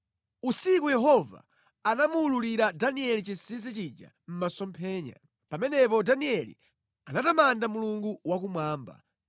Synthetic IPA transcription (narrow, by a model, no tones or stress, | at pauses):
usikujɛɦɔva̰ː | namuːluliɾadaniɛlit͡ʃisis̬ɛt͡ʃid͡ʒa̰ | m̩masɔmpʰɛːɲa̰ | pamɛnɛpɔdaniɛlḭ | anatamandamuluŋɡuwakumwaːmba̰